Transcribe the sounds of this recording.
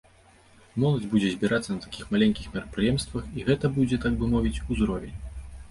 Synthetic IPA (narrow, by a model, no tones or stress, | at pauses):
mɔlˠɐd͡zʲbud͡zʲɛzʲbʲiɾʔat̪sːɐnɐt̪ḁkʲixmalʲɛŋʲkʲixmʲiɾɐpɾɨjɛmst̪vɐxiɣɛt̪ɐbud͡zʲɛt̪aɡ̚bɨmɔvʲit͡sʲuzɾɔvʲenʲ